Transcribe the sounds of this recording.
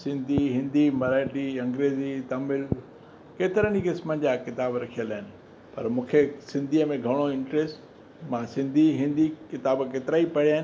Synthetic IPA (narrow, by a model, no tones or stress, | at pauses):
sɪ̃nd̪ʱiɦɪ̃nd̪ʱimɐɾaːʈiɐ̃ŋɡɾeːzit̪ɐmɪl | keːt̪ɪɾəñikɪsmə̃nd͡ʑaːkɪt̪aːbɾɐkʰijəlaːɦɪnɪ̆ | pɐɾmũːkʰesɪ̃nd̪ʱiːəmẽɡʱɐɽ̃oɪ̃ɳʈɾeːsʈ | mãsɪ̃nd̪ʱiɦɪ̃nd̪ʱikɪt̪aːbkeːt̪ɪɾaːipɐɽijaːɦɪn